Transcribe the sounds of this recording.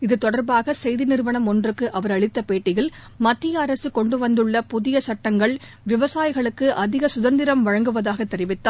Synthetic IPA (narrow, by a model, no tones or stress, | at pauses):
ɪðɯt̪ɔɽɐɾbaːɣɐsɛjðɪnɪɾʋɐnɐmɔndrɯkːɯʔɐʋɐɾɐɭɪt̪ːɐpeːʈːɪɣɪl | mɐt̪ːɪjɐːɾɐsɯkɔɳɖɯʋɐnd̪ɯɭːɐpʊðɪjɐsɐʈːɐŋɡɐɭ | ʋɪʋɐsaːjɪɣɐɭɯkːɯʔɐðɪɣɐsʊðɐnd̪ɪɾɐmʋɐɻɐŋɡɯʋɐðaːɣɐt̪ːɛɾɪʋɪt̪ːaː